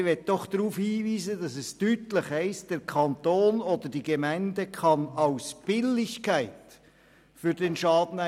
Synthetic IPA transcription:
ʋɛt̚d̥ɔχd̥̪ɾuːfhiːviːzədɑsɛstytləχhɛɪsd̥ɛɾkʰɑntoːnod̪əɾd̥iɡ̥emæɪndəkʰɑnɑʊsb̥ɪlɪçkʰæɪt | fʏɾdɛnʃɑːd̥ən̩æ

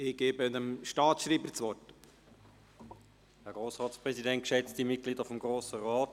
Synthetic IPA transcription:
ɪɡ̥eːbənəmʃtɑːt͡sʃɾiːbəɾt͡sʋɔɾt | hɛʁɡʁoːsʁɑːtspʁɛsidɛntkʃɛt͡std̥imɪt̚ɡ̥liːdəfɔmɡʁoːsəʁaːt

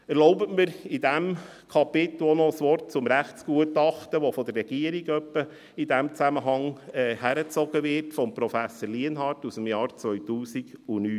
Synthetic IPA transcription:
ɛɾlɔʊbətməɾɪdæm | kʰɑpɪt̪l̩onɔəsʋɔrtt͡sʊmɾæχtsɡ̥uətɑχtəʋɔfɔd̥̪ərːɛɡ̥iəɾiɡœpːə | ɪdæmt͡sæməɦɑŋɛːhæɾət͡sɔɡəʋɪɾtfɔmpɾɔfæsəɾliənɦɑɾtusəmjɑːɾt͡sʋœʏtuːsiɡʊnyː

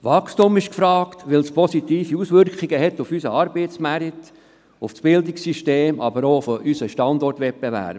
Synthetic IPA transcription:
ʋɑχstumɪʃkfɾɑːkt̪ʋɪlspʰɔsit̪iːfiusʋʏɾkχiɡəɦɛt̪ːufysəɑɾb̥ɛɪt̪smæɾit̪ | ʊfsb̥ɪld̪ɪksiʃteːmʔɑ̰bəɾoːfɔʔysəʃtɑnd̪ɔrtʋɛp̚bɛvæ̰ːb

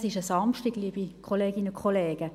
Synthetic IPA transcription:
sɪʃəsɑmʃtiɡ̥liːbikʰχoleːɡinəkʰχoleːɡ̥ə

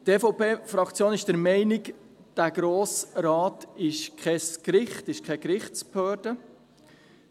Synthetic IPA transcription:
teːfowpeːfɾɑkt͡sjoːnɪʃd̥əɾmɛɪnɪk | d̥æɡ̥ɾoːsɾɑːtɪʃkʰɛskɾɪχtɪʃkʰɛkɾɪχtsphœːɾd̥ə

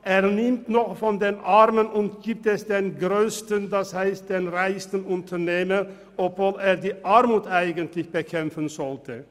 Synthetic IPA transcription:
ʔeːɐnɪmtnɔχfɔndeːnʔaʁmənʊntɡ̥iːp̚tɛsd̥eːnɡʁøːstəndashaɪst̚d̥eːnʁaɪstən̩ʊntʰɐneːmən | ʔɔpv̥oːleːɐdiːʔaɐmuːtʔaɪɡəntʰlɪçb̥əkʰɛmfənzɔltʰə

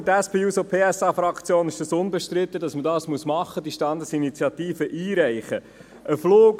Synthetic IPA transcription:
t̪æspeːuːsopʰeːɛsɑːfɾɑkt͡sjoːnɪʃd̥ɑsʊnbɛʃtɾɪt̪ːədɑsmədɑːsmuəsmɑχːəd̥iʃtɑnd̪əsinit͡sjɑt̪iːfəʔiːɾæɪχə | ʔəfloːɡ

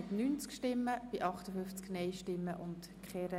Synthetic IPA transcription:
tnyːnt͡skʃtɪmːəb̥ɪʔɑχt̪əfʏft͡sknɛjʃtɪmːəʔʊnt | kχɛɾə

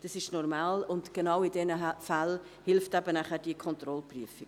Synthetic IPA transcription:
d̥ɑsɪʃnɔɾmaːlʊndɡ̥enɑwɪdɛnəfal | hɪlftɛbənæχəɾd̥iəkʰχɔnt̪rɔlpryəfɪ̥

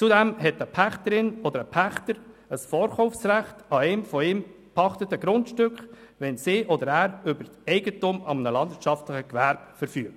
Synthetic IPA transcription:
t͡sudɛmɦɛtəpʰæχtəɾɪnɔd̪əɾəpʰæχtəɾəsfɔːɾχɔʊfsræχtɑɛɪmfɔɪm | pʰɑχtətəɡ̥ɾʊntʃtʏkχʋɛnsɪːʔɔd̪əɾæːɾʏbəɾtɛɪɡətʊmɑmənəlɑnd̪ɪɾtt͡ʃʃɑftləχəkʋæɾbfəɾfyːk̚t

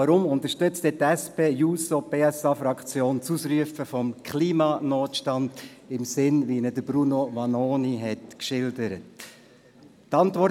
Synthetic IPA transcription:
ɑɾʊmʊnt̪əɾʃtʏt͡st̪ɛtɛspeːjuːsopeːɛsɑfɾɑkt͡sjoːnt͡susɾyəfəfɔmkʰχliːmɑnoːt̪ʃtɑndɪmsɪnʋinədəbɾunoʋɑnoːniɦɛtkʃɪldəɾət | tɑnt̪ʋɔɾ

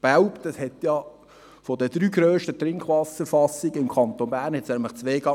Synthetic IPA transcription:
b̥awptɑshɛt̪jɑ | fodəd̥ɾyːɡɾøːʃtət̪ɾɪŋkχʋɑsəfɑsːiɡ̥əɪmkʰɑnt̪onbæːɾnhɛtsnɛmləχt͡sʋeːɡ̥ɑ

